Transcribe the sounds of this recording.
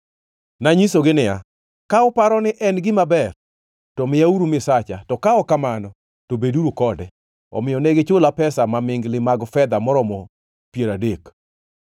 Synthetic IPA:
naɲisoɡɪnɪja̰ | kaɔpaɾɔnɪʔɛnɡɪmabɛr | tɔmɪjauɾumɪsat͡ʃatɔkaɔkamanɔ | tobeduɾukɔdɛ | ɔ̰mɪjɔnɛɡɪt͡ʃʊlapɛsamamɪŋɡlɪmaɡfɛd̪amɔɾɔmɔ | pjeɾadek

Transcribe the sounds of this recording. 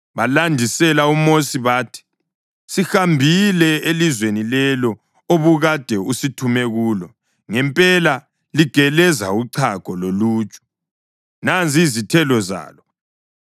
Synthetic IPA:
βalandʱisɛlaumosiβaːtʰi̥ | sixambʱilɛelizwenilɛlɔ | oβuɣad̥ʱɛusitʰumɛɣuːlɔ | ŋɛmpʼɛla | liɡ̥ʱɛlɛza̰uǀʰakɔloluːt͡ʃʼu̥ | nand͡zizitʰɛlɔza̰ːlɔ

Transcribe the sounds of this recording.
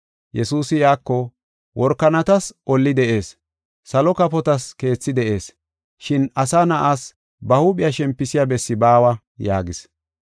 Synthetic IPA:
jɛsuːsɪjaːkːɔ | wɔɾkːɐnɐt̪ɐsʔɔlːɪd̪ɛʔe̞ːs | sɐlɔkɐpɔt̪ɐske̞ːt͡sːɪd̪ɛʔe̞ːs | ʃɪnɐsaːnɐʔaːs | bɐhupɪjaʃɛmpːɪsɪjabɛsːɪbaːwɐ | ja̰ːɡɪs

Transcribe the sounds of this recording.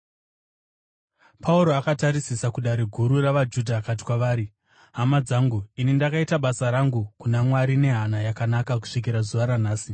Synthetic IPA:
pʰauɾo̞akataɾisisakuɗaɾiɡʱuɾuraʋad͡ʒudʱakat̬i̥kwaʋaːɾi | ɦamad͡zaːŋɡuinindakaitaɓasaɾaŋɡukunamwaɾine̞ɦanajakanakaku̥ʂik̬iɾazuʋaɾanaːsi

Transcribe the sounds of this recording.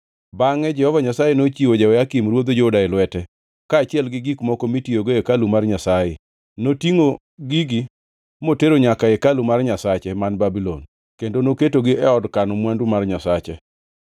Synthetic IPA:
baŋɛd͡ʒɛhɔvaɲasajenot͡ʃiwod͡ʒawɛakimrwod̪od͡ʒodaɪlwɛtɛ | kaːt͡ʃɪɛlɡɪɡikmɔkɔmitioɡoekalumarɲasaje | notiŋo | ɡiɡɪ | moteɾoɲakaekalumarɲasat͡ʃɛmanbabilɔn | kendonoketoɡɪʔɛɔdkanɔmwandumarɲasat͡ʃɛ

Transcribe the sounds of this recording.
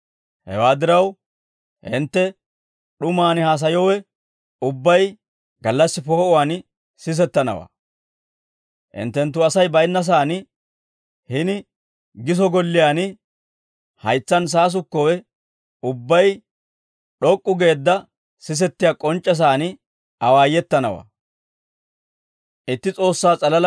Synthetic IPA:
hɛ̰waːd̪ɪɾɐw | hɪ̰nt̪ːɛ | ɗʊmaːnɪhaːs̬ɐjɔwɛ | ʊbːɐj | ɡɐlːɐsːɪpoːʔʊwaːn | sɪs̬ɛt̪ːɐnɐ̰wa̰ː | ʔɪ̰nt̪ːɛnt̪̬ːʊɐsɐjbɐjnːɐs̬aːn | hɪnɪ | ɡɪs̬ɔɡɔlːɪjaːn | hɐjt͡sːɐns̬aːs̬ʊkːɔwɛ | ʊbːɐj | ɗɔkʼːʊɡe̞ːd̪ːɐ | sɪs̬ɛt̪ːɪjakʼɔnt͡ʃʼːɛs̬aːn | ɐwaːjɛt̪ːɐnɐ̰wa̰ː | ʔɪt̪ːɪt͡sʼo̞ːsːaːt͡sʼɐlɐl

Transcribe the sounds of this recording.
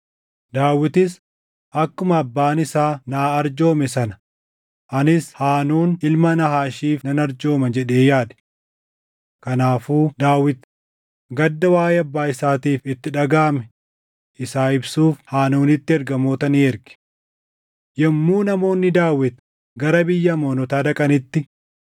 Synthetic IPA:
d̪aːwːɪt̪ɪs | ʔɐkːʊmɐɐbːaːnɪsaːnaːɐɾd͡ʒo̞ːmɛsɐnɐ̥ | ʔɐnɪshaːnuːnɪlmɐnɐɦaːʃiːfnɐnɐɾd͡ʒo̞ːmɐd͡ʒɛᶑe̞ːjaːd̪̥ | kɐnaːfuːd̪aːwːɪt̪ | ɡɐd̪ːɐwaːjɛɐbːaːɪsaːt̪iːfɪt̪ːɪᶑɐɡaːmɛ | ɪsaːɪbsuːfhaːnuːnɪt̪ːɪɛɾɡɐmo̞ːt̪ɐniːɛɾɡɪ̥ | jɛmːuːnɐmo̞ːnːɪd̪aːwːɪt̪ | ɡɐɾɐbɪjːɐmoːnɔt̪aːd̪ɐkʼɐnɪt̪ːɪ

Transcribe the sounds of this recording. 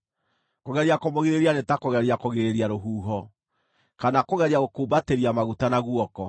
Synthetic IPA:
koɣɛɾiakomoɣeɾeɾianetakoɣɛɾiakoɣeɾeɾiaɾoɦuːɦɔ | kanakoɣɛɾiaɣokoːbateɾiamaɣutanaɣwɔkɔ

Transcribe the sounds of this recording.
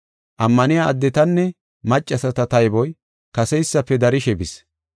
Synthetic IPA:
ʔɐmːɐnɪjaːd̪ːɛt̪ɐnːɛ | mɐt͡ʃʼːɐsɐt̪ɐt̪ɐjbɔj | kɐsɛjsːɐpːɛd̪ɐɾɪʃɛbɪs

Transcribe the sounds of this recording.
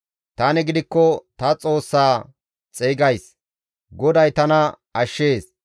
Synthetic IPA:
t̪anɛɡɪd̪ɪkːɔt̪ɐt͡sʼo̞ːsːaː | t͡sʼeːɡɐjs | ɡɔd̪ɐjt̪ɐnɐ | ɐʃːe̞ːs

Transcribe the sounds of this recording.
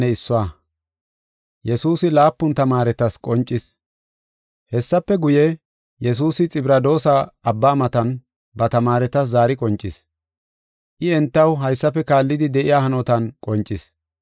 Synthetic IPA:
ɛɪsːɔa | jɛsuːsɪlaːpːʊnt̪ɐmaːɾɛt̪ɐskʼɔnt͡ʃʼːɪs | hɛsːɐpːɛɡʊjɛ | jɛs̬uːsɪt͡sʼɪbɾɐd̪o̞ːsaɐbːaːmɐt̪ɐn | bɐt̪ɐmaːɾɛt̪ɐs̬zaːɾɪkʼɔnt͡ʃʼːɪs | ʔɪɛnt̪ːɐwɦɐjsːɐpːɛkaːlːɪd̪ɪd̪ɛʔɪjaːhɐnɔt̪ɐnkʼɔnt͡ʃʼːɪs

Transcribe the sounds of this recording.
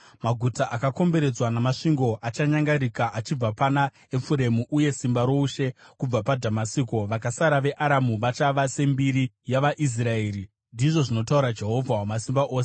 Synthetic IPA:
maɡʱutaʔakako̞mbe̞ɾe̞d͡zwanamaʂiŋɡo̞ʔat͡ʃaɲaŋɡaɾikaʔat͡ʃib͡vapana | efuɾe̞muʔuje̞simbaɾo̞uʃe̞kub͡vapadʱamasiːko̞ʋakasaɾaʋe̞ʔaɾamuʋat͡ʃaʋase̞mbiɾi | jaʋaʔis̬rae̞ːɾi | ndiʐo̞ʐino̞tauɾad͡ʒe̞ɦo̞vʱawamasimbaʔo̞ːse

